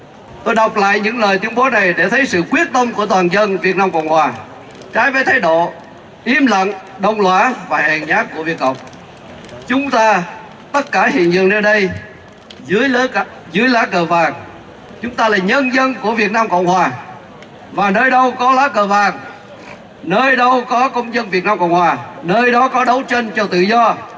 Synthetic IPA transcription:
t̪o˧jɗa˨˩wk͡p̚la̰ː˧˨jɲɨ̰˧˥ŋləː˨˩jt̪wi˨˦ənɓo˨˦na˨˩jɗe˧˩t̪ʰə˨˦jsɨ̰˧˨kwi˦˥ət̚t̪ə˧wŋ͡mku˧˩ət̪waː˨˩nzə˧nvi˨˩ət̚naː˧mkə̰˧˨wŋ͡mhwaː˨˩ | t͡ɕaː˨˦jvəː˨˦jt̪ʰa˨˦jɗo̰˧˨ | ʔi˨˦mlə̰˧˨ŋ | ɗə˧wŋ͡mlwaː˧˥vaː˨˩hɛ̰˧˨˩ŋɲaː˦˥k̚ːu˧˩əvi˨˩ət̚kə̰˧˨wŋ͡m̚ | t͡ɕʊ˨˦ŋ͡mt̪aː˧ | t̪ə˦˥t̚kaː˧˩hḭ˧˨ənzɨ̰˧˨ənə˧ɗə˧j | zɨ˨˦əj | zɨ˨˦əjlaː˨˦kəː˨˩vaː˨˩ŋ | t͡ɕʊ˨˦ŋ͡mt̪aː˧laː˨˩ɲə˧nzə˧nku˧˩əvi˨˩ət̚naː˧mkə̰˧˨wŋ͡mhwaː˨˩ | vaː˨˩nəː˧jɗə˧wkɔ˨˦laː˨˦kəː˨˩vaː˨˩ŋ | nəː˧jɗə˧wkɔ˨˦kə˧wŋ͡mzə˧nvi˨˩ət̚naː˧mkə̰˧˨wŋ͡mhwaː˨˩nəː˧jɗɔ˨˦kɔ˨˦ɗə˨˦wt͡ɕe˧nt͡ɕɔ˧t̪ɨ̰˧˨zɔ˧

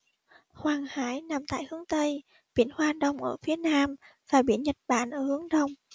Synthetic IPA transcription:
hwaː˨˩ŋhaː˧˥˦jna˨˩mt̪a̰ː˧˨jhɨ˨˦əŋt̪ə˧j | ɓḭ˧˩ənhwaː˧ɗə˧˩wŋ͡mʔəː˧˩fi˨˦ənaː˧m | v̥aː˨˩ɓḭ˧˩ənɲə˨˩t̚ɓa̰ː˧˨nʔəː˧˩hɨ˨˦əŋɗə˨˧˩wŋ͡m

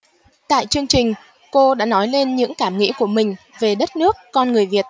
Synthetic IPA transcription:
t̪a̰ː˧˨jt͡ɕɨ˧əŋt͡ɕï˨˩ŋ̟ | ko˧ɗa̰ː˧˥nɔ˨˦jle˧nɲɨ̰˧˥ŋkaː˧˩mŋḭ˧˥ku˧˩əmï˨˩ŋ̟ | ve˨˩ɗə˦˥t̚nɨ˦˥əkːɔ˧nŋɨ˨˩əjvi˨˩ət̚

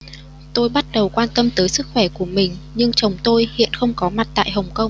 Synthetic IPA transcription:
t̪o˧jɓa˦˥t̚ɗə˨˩wkwaː˧nt̪ə˧mt̪əː˨˦jsɨ˦˥k̚xwɛ˧˩ku˧˩əmï˨˩ŋ̟ɲɨ˧ŋt͡ɕə˨˩wŋ͡mt̪o˧jhḭ˧˨ənxə˧wŋ͡mkɔ˨˦ma˨˩t̚t̪a̰ː˧˨jɦə˨˩wŋ͡mkə˧wŋ͡m

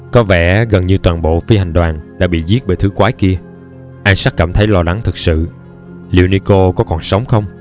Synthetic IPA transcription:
kɔ˨˦vɛ̰˧˩˥ɣə˨˩nɲɨ˧t̪waː˨˩nɓo̰˧˨fi˧ha˨˩jŋ̟ɗwaː˨˩nɗa̰ː˧˥ɓḭ˧˨zi˦˥ət̚ve˨˩t̪ʰɨ˨˦kwaː˨˦jki˧ə | ʔaː˧jsa˦˥k̚kaː˧˩mt̪ʰə˨˦jlɔ˧la˨˦ŋt̪ʰɨ˨˩k̚sɨ̰˧˨ | li˧˨wni˧ko˧kɔ˨˦kɔ˨˩nsə˨˦wŋ͡mxə˧wŋ͡m

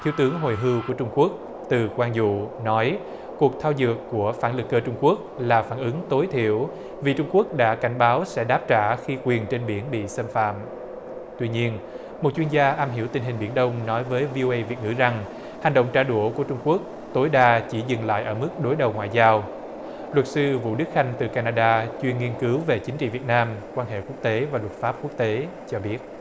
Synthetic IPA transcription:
t̪ʰi˧˩əwt̪ɨ˨˦əŋɦo˨˩jɦɨ˧wku˧˩ət͡ɕʊ˧ŋ͡mku˦˥ək̚ | t̪ɨ˨˩kwaː˧nzṵ˧˨nɔ˨˦j | ku˨˩ək̚t̪ʰaː˧wzɨ˨˩əkːu˧˩əfaː˧˩nlɨ˨˩k̚ːəː˧t͡ɕʊ˧ŋ͡mku˦˥ək̚laː˨˩faː˧˩nʔɨ˨˦ŋt̪o˨˦jt̪ʰḭ˧˩˨əw | vi˨˩t͡ɕʊ˧ŋ͡mku˦˥ək̚ɗa̰ː˧˥ka˧˩jŋ̟ɓaː˨˦wsɛ̰˧˥ɗaː˦˥p̚t͡ɕaː˧˩xi˧kwi˨˩ənt͡ɕe˧nɓi˧˩ənɓḭ˧˨sə˧mfa̰ː˧˨m | t̪wi˧ɲi˧ən | mo˨˩t̚t͡ɕwi˧ənzaː˧ʔaː˧mɦḭ˧˩əwt̪ï̟˨˧˩ɦï˨˩ŋ̟ɓḭ˧˩ənɗə˧wŋ͡mnɔ˨˦jvəː˨˦jvi˧ʔo˧ʔə˧jvi˨˩ət̚ŋɨ̰˧˩za˨˩ŋ | ha˨˩ŋɗə̰˧˨wŋ͡mt͡ɕaː˧˩ɗu˧˩əku˧˩ət͡ɕʊ˧ŋ͡mku˦˥ək̚ | t̪o˨˦jɗaː˧t͡ɕi˧˩zɨ˨˩ŋla̰ː˧˨jʔəː˧˩mɨ˦˥k̚ɗo˨˦jɗə˨˩wŋwa̰ː˧˨jzaː˧w | lwə˨˩t̚sɨ˧vṵ˧˨ɗɨ˦˥k̚xa˧jŋ̟t̪ɨ˨˩kaː˧naː˧ɗaː˧t͡ɕwi˧ənŋi˧ənkɨ˨˦wve˨˩t͡ɕï˨˦ŋ̟t͡ɕḭ˧˨vi˨˩ət̚naː˧mkwaː˧nɦḛ˧˨ku˦˥ək̚t̪e˨˦vaː˨˩lwə˨˩t̚faː˦˥p̚ku˦˥ək̚t̪e˨˦ | t͡ɕɔ˧ɓi˦˥ət̚

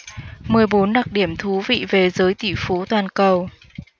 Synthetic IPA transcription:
mɨ˨˩əjɓo˨˦nɗa˨˩k̚ɗi˧˩əmt̪ʰu˨˦vḭ˧˨ve˨˩zəː˨˦jt̪i˧˩fo˨˦t̪waː˨˩nkə˨˩w

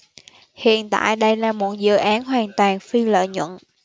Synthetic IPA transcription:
hḭ˧˨ənt̪a̰ː˧˨jɗə˧jlaː˨˩mo˨˩t̚zɨ̰˧˨ʔaː˨˦nɦwaː˨˩nt̪waː˨˩nfi˧lə̰ː˧˨ɲwə̰˧˨n

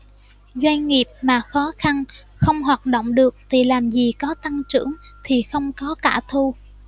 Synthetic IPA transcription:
zwa˧jŋŋi˨˩əp̚maː˨˩xɔ˨˦xa˧n | xə˧wŋ͡mɦwaː˨˩t̚ɗo̰˧˨wŋ͡mɗɨ˨˩ək̚t̪ʰi˨˩laː˨˩mzi˨˩kɔ˨˦t̪a˧ŋt͡ɕɨ̰˧˩əŋt̪ʰi˨˩xə˧wŋ͡mkɔ˨˦kaː˧˩t̪ʰu˧

